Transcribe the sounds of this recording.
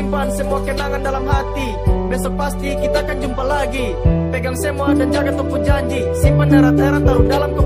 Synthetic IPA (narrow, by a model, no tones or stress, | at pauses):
ŋpansəmuakənaŋandalamɦat̪i | bɛsɔk̚past̪ikit̪aːkand͡ʒumpalaɡi | peɡaŋsəmuadand͡ʒaɡat̪ɔpud͡ʒaɲd͡ʒi | simandaɾat̪aeɾant̪aɾundalamkə